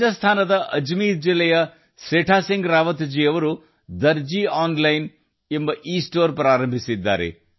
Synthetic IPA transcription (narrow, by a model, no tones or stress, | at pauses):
ɐst̪ʰaːnɐd̪ɐʔɐd͡ʒmiːɾd͡ʒilːɐjɐ | sɾeːʈʰaːsiŋɡɾaːʋɐt̪d͡ʒiːɐʋɐɾu | d̪ɐɾd͡ʒiaːnlɐjn | embɐʔiːsʈoːɾpɾaːɾɐmbʱisid̪ːa̰ːɾḛ